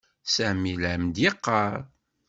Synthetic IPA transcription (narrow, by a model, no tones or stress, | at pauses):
sæʕmilʕmd̪jeqːɑɾˤ